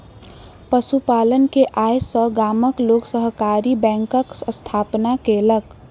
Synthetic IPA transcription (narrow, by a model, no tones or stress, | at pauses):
pəsupalənkeʔajsəɡaməkloksəɦkaɾibɛ̃ŋkəksəst̪ʰapnakelək